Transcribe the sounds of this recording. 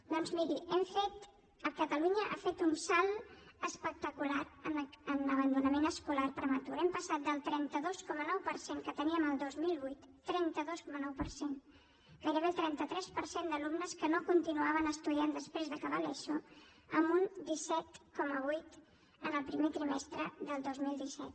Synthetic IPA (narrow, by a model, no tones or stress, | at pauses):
d̪ɔnzmiɾiɛmfet̪ | əkət̪əluɲəʔa̰fet̪unsalˠəspək̚t̪əkulaɾənənəβ̞ənd̪unəmenəskulaɾpɾəmət̪uɾɛmpəsat̪̚d̪əlˠt̪ɾɛnt̪əðoskɔmənɔwpəɾseŋkət̪əniəməlˠd̪ozmilˠβujt̪ːɾɛnt̪əðoskɔmənɔwpəɾsen | kəɾəβelˠt̪ɾɛnt̪ət̪ɾɛspəɾsend̪əlumnəskənokunt̪inuaβ̞ənəst̪uðiand̪əspɾezðəkəβalɛʃo | əmbund̪isɛt̪kɔməβujt̪ | ənəlˠpɾimet̪ɾimɛst̪ɾəðəlˠd̪ozmilˠd̪isɛt̪